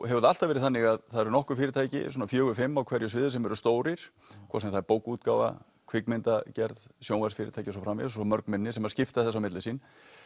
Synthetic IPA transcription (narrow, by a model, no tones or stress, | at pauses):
ɦɛvʏɾðal̥t̪avɛɾɪðθanːɪɣaðθaðɛɾʏnɔhkʏ̥fiːɾɪt̪ʰaːjcɪ̰suːnafjœːɣʏfɪmːawkʰvɛɾjʏs̬ɪːðɪsɛmɛɾʏst̪oːwɾɪɾ̥ | kʰvɔ̰sɛmθaɾpowkut̪̚kaːwva̰ | kʰvɪkmɪnt̪acɛɾðsjoːwnvaɾsfɪːɾɪ̰t̪ʰajcɪsɔfɾamvɪ̰ðsɔmœɾknmɪnːɪsɛmaðscɪft̪aθɛsːawmɪt̪lɪsiːn